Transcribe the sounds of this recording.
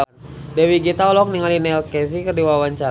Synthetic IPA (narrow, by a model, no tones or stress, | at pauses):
dɛwiɡit̪aɔlɔk̚niŋalinɛlkɛs̬ikərdiwawaɲt͡ʃa